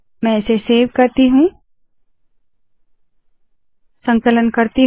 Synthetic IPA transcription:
mɛ̃ɪseseːʋkɐɾt̪iɦũː | sə̃ŋkələnkɐɾt̪i

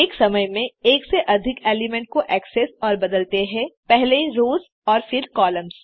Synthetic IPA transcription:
ɪksɐməjmẽeːkseʔɐd̪ʱɪkeːlɪmɛ̃ɳʈ̚koʔɛːksesɔːɾbɐd̪əlt̪eɦɛ̃pɛɦleɾoːz | ɔːɾfɪɾkɔːlə̃mz̥

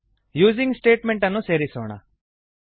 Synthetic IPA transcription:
juːd͡ʒiŋɡsʈe̞ːʈmeɳʈɐnːuseːɾisoːɳɐ̰

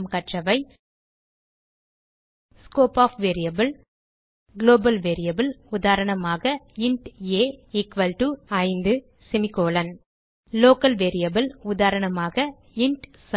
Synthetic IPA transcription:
mkɐʈrɐʋɐɪ | skoːpaːfʋeːɾɪjɐbɪl | ɡloːbɐlʋeːɾɪjɐbɪlʊðaːɾɐɳɐmaːɣɐ | ɪɳʈeːɪkʋɐlʈuɐɪnd̪ɯ | sɪmɪkoːlɐn | loːkɐlʋeːɾɪjɐbɪlʊðaːɾɐɳɐmaːɣɐ | ɪɳʈs

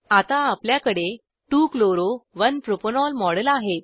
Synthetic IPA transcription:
at̪ãapljakəɽe | ʈukloɾoʋənpɾoponɔlmɔɽəlaɦet̪̚

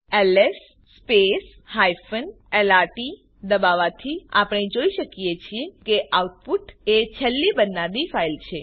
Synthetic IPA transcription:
ɛlesː | pes | hajfən | elaɾʈi | d̪əbaʋat̪ʰia̰pəɽ̃ed͡ʒoiʃəkjet͡ʃʰiekeʔauʈ̚puʈet͡ʃʰɛlːibənanifailt͡ʃʰe

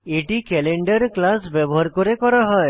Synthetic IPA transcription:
eʈikeleɳɖaɾklasbɛbɔɦaɾkɔɾekɔɾaɦɔe

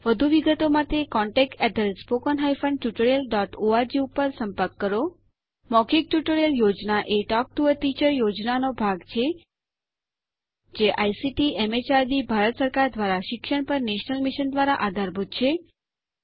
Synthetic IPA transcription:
ʋəd̪ʱuʋiɡət̪omãt̪ekɔɳʈekʈɛd̪əlspokənɦaifʰə̃ɳɖʈjuʈəɾjəlɖɔʈoad͡ʒiupəɾsəmpəɾkːəɾo | mɔkik̚ʈjuʈəɾjəljod͡ʒnaʔeʈɔk̚ʈuəɾʈit͡ʃəɾjod͡ʒnanobʱaɡt͡ʃʰe | d͡ʒeʔajsiʈiemet͡ʃaɾd̪ibʱaɾət̪səɾkaɾd̪ʋaɾaʃɪkʃəɽ̃pəɾneʃnəlmiʃənd̪ʋaɾaʔad̪ʱaɾbʱut̪̚t͡ʃʰe

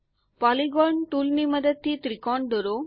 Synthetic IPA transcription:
paliɡɔɾɳʈuːlnimɐd̪əd̪̚t̪iːt̪ɾikɔːɳ̚ɖ̪oɾoː

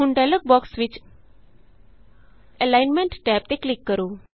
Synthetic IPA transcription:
uɳɖalək̚bɔksʋɪt͡ɕ | elajnmẽɳʈʈɛːp̚t̪eklikːəɾuː

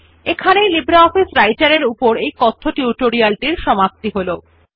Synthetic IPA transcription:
ekʰanejlibɾaɔfisɾajʈaɾeɾupoɾejkɔt̪ʰːoʈuʈoɾialʈiɾʃɔmap̚t̪iɦolo

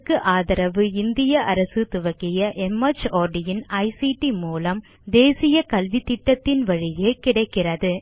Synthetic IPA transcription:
kːɯʔaːðɐɾɐʋɯɪnd̪ɪjɐʔɐɾɐsɯt̪ʊʋɐkːɪjɐʔɛmɐt͡ʃoːɾɖɪjɪnɐɪsiʈimuːlɐm | d̪eːsɪjɐkɐlʋɪt̪ːɪʈːɐt̪ːɪnʋɐɻɪjeːkɪɽɐɪkːɪrɐðɯ

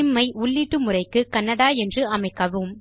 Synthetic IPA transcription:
mːɐɪʊɭːiʈːɯmʊrɐɪkːɯkɐnːɐɽaːɛndrɯɐmɐɪkːɐʋɯm

